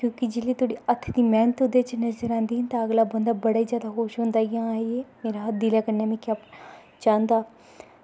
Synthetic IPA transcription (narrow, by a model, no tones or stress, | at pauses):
kjõːkɪd͡ʒɪliːt̪oːɽiːət̪ʰːd̪iːmɛ̃ːnt̪ʊd̪et͡ʃnəzəɾãːnd̪iːɦənt̪aəɡlaːbənd̪aːbəɽaːiːzjaːd̪axoːʃɦʊ̃ːnd̪aːiãːaːieːmeːɾaːɦd̪ilaːkəɾnaːmẽːkaːp | t͡ʃãːnd̪aː